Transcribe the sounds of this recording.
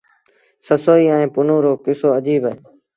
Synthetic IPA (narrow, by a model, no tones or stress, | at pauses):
səsoːiːãːẽːpʊnõːɾoːkɪsoːəʄiːbaeː